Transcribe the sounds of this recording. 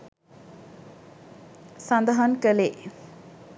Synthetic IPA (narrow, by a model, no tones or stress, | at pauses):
sɐnd̪əɦankəle